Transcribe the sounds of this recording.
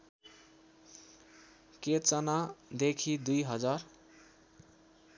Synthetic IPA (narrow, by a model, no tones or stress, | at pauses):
ket͡sʌnad̪ekʰid̪ujɦʌd͡zar